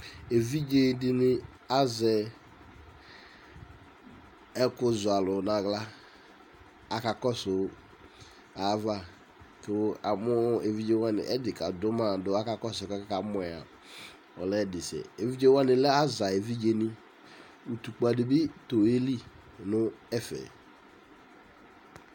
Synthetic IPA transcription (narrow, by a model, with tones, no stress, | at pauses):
e˨vi˦d͡ʒe˦dɪ˦nɪ˦ | a˦zɛ˨ | ɛ˦kʊ˦zʊ˨a˨lʊ˨na˨ɡla˦ | a˨ka˨kɔ˦sʊ˨˦ | a˨˦va˦ | kɪ˨˦a˨mʊ˦e˨vi˦d͡ʒe˦wa˦nɪ̰˨ʔɛ˦dɪ˨ka˨dʊ˦ma˦˨dʊ˨a˦ka˨kɔ˦sʊ˨ka˦kɛ˦ka˨˦mʊ˦ɛ˨a̰˨ | ɔ˨lɛ˦dɪ˨sɛ̰˨e˨vi˦d͡ʒe˦wa˦nɪ˨lɛ˦a˦za˨e˨vi˦d͡ʒe˦nɪ˦ | u˨tu˨k͡pa˨dɪ˨bɪ˦to˨e˦li˦ | nʊ˦ɛ˦fɛ̰˨